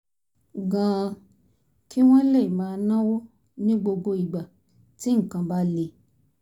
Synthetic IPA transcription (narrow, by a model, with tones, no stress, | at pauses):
ɡã˨˧ | kʰi˦w̃ɔ̃˦le˦˨i˨mãː˧nã˦wo˦ | nĩ˦ɡ͡bo˧ɡo˧i˨ɡ͡ba˨ | ti˦ŋ̩˨kã˧ba˦le˧